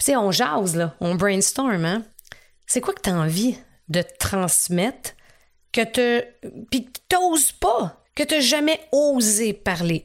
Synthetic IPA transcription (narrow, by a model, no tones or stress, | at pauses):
pi̥t͡seɔ̃ːʒaʊzlʌɔ̃bɹɛ̃nst̪ɔɹmã | sekwakə̥t̪aɑ̃vi | d̪ət̪ət̪χɑ̃smɛt̪ | kʲət̪əpit̪ozpɔ | kʲət̪ɛʒamɛozepaʁle